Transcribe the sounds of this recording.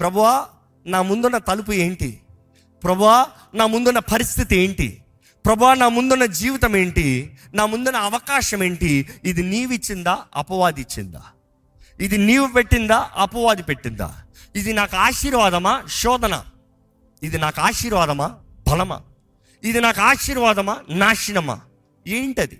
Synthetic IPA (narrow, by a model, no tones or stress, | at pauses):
pɾɐbʱuʋaː | naːmund̪unːɐt̪ɐlup̬ue̞ːɳʈḭ | pɾɐbʱuʋaː | naːmund̪unːɐpʰɐɾist̪ʰit̪ie̞ːɳʈḭ | pɾɐbʱuʋaːnaːmund̪unːɐd͡ʒiːʋit̪ɐme̞ːɳʈinaːmund̪unːɐɐʋɐkaːʃɐme̞ːɳʈiːd̪iniːʋit͡ʃːind̪aːɐpɐʋaːd̪it͡ʃːḭnd̪a̰ː | id̪iniːʋupe̞ʈːind̪aːʔɐpɐʋaːd̪ipeʈːind̪a̰ː | id̪inaːkaːʃiːɾʋaːd̪ɐmɐʃɔːd̪ɐnɐ̰ | id̪inaːkaːʃiːɾʋaːd̪ɐmɐ | bʱɐlɐmɐ̰ | id̪inaːkaːʃiːɾʋaːd̪ɐmɐnaːʂiɳɐmɐ̰ | eːɳʈɐd̪i